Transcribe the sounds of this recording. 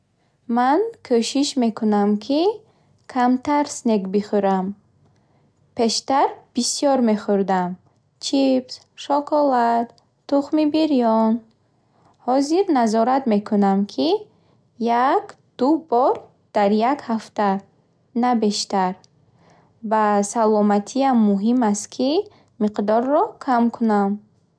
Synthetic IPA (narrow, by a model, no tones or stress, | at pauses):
mankʰøʃiʃme̞kʰunamkʰi | kʰamt̪ʰaɾsnekbiχuɾam | pʰe̞ʃt̪aɾb̥isijɔɾme̞χuɾd̪am | t͡ʃʰips | ʃɔkʰɔlat̪ː | uχmibiɾijɔn | hɔziɾnazɔɾat̪me̞kʰunamkʰi | jak | d̪̥ubɔɾ | d̪̥aɾjakhaft̪a | nabe̞ʃt̪aɾ | basalɔmat̪ʰiamːuɦimast̪kʰi | miqd̪ɔɾːɔkʰamkʰunam